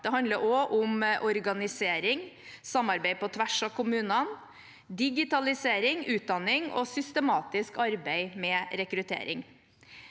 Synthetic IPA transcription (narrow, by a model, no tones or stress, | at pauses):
d̪̥ɛɦɑnd̪ləɾʔɔʔʊmʔɔɾɡɑnɪseːɾɪŋ | sɑmːɑɾbæɪpɔt̪ʰʋæʂɑkʰʊmʉːnɑn | d̪ɪɡɪt̪ɑlɪseːɾɪŋʉːt̪̚d̪ɑnɪŋɔ̰sʏst̪əmɑːt̪ɪskɑɾbæɪmɛɾɛkɾʉt̪ʰḛːɾɪŋ